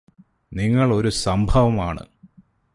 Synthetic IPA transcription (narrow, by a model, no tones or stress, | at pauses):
niŋːɐɭo̞ɾusɐmbʱɐʋɐmaːɳɨ̰